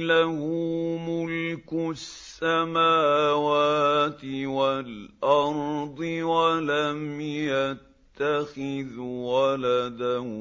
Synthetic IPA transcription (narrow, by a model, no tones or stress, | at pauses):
lahʊmʊlkʊsːamaːwaːt̪ɪwalʔɑɾˤd̪ˤɨwalamjat̪ːaxɪðwalad̪ah